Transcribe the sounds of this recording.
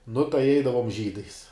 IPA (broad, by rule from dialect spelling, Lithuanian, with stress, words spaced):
nʊ tɐɪ ˈɛɪdɐʋoːm ʒʲiːdɐɪs